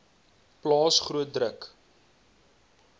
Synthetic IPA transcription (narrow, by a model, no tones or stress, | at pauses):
plɑːsχruət̚drək